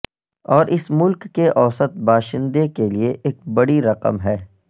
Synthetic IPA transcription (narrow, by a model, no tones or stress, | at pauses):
ɔːɾʔɪsmʊlkːeʔɔːsət̪̚baːʃɪ̃nd̪ekelieʔeːk̚bɐɽiɾɐqə̰mɦɛː